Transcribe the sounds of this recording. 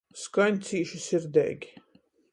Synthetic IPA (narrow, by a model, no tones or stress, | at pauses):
skanʲt̪siːʃisiɾd̪ɛ̰ːɡʲi̥